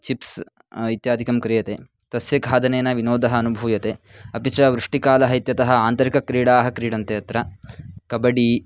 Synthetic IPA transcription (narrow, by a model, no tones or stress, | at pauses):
t͡ʃips | it̪jaːd̪ʱikɐmkɾijɐt̪eː | t̪ɐsjɐɡʱaːd̪ɐneːnɐʋinoːd̪ɐɦɐːnubʱuːjɐt̪eːɐpit͡ʃɐʋɾuʂʈikaːlɐɦɐjt̪jɐt̪ɐɦɐaːnt̪ɐɾikɐkɾiːɽaːɦɐ̆kɾiːɽɐnt̪eɐt̪ɾɐkɐbɐɽi